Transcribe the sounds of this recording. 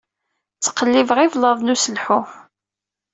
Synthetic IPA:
t͡sːə̥qːəlːivʁɪvləðˤnusəlħʊ

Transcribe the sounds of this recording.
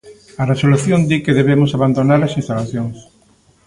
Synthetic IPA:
ɐresoluθjond̪ikeðeβemʊsaβand̪onaɾɐsĩnst̪alaθjoŋs

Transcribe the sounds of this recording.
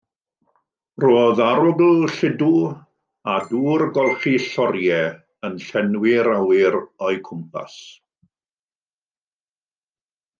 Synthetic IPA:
roːðaɾʊɡl̩ɬɪdu | aduːrɡɔlˠχiɬɔɾjɛ | ənɬɛnwɪɾawɪɾɔɨkʰʊmpʰa̰s

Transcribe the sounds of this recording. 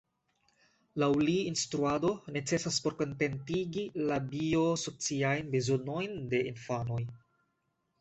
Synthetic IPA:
lawliːnstɾuado̞ne̞t͡se̞saspo̞ɾko̞nte̞ntiɡilabio̞so̞t͡siajnbezo̞no̞jnde̞ʔinfano̞j

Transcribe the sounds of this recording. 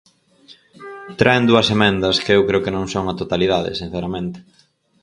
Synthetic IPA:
t̪ɾaend̪uɐsemɛ̃nd̪ɐskɪewkɾeʊkenõŋsoŋɐt̪ot̪aliðaðɪ̰sin̟θeɾamẽnt̪ɪ̥

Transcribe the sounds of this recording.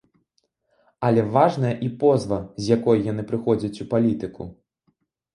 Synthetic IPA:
ɐlʲɛvaʐnɐjɐʔipɔzvɐzʲjakɔjjanɨpɾɨxɔd͡zʲɐt͡sʲupalʲit̪ɨkṵ

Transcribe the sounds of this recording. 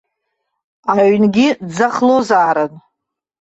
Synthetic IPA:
aɥnɡʲid͡zaχlozaːɾɨn

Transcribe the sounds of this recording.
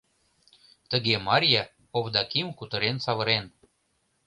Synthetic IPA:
t̪əɣemɑɾʲjɑ | povd̪ɑkimkut̪ə̆ɾensɑβɤ̆ɾen

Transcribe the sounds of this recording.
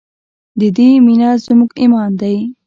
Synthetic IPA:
d̪əd̪eminazmuɡimɑnd̪aj

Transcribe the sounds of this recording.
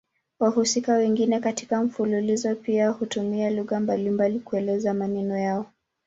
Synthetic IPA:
wahusikawɛŋɡinɛkati̥kam̩fululizɔpiahutumialuɣambalimbalikuɛlɛzamanɛnɔjaɔ

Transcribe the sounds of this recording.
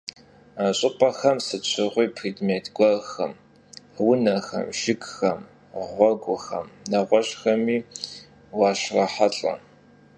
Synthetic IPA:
aɕʼɪpʼɐxɐmsɨt͡ɕʷʰɨʁʷiːpʰriːdmeːtʰɡʷɐxɐm | wʊnɐxɐ̰mʒɪɡxɐm | ʁʷɔɡʷʼʊxɐ̰mnɐʁʷɔɕxɐmiː | waːʃrɐħaɬʼɐ̰

